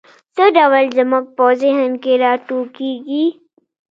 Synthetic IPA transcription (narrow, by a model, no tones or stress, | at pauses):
səɖaːʋəld͡ʒɐmɐk̚pɔːzeɦɐnkeɾaːʈuːkiɡiː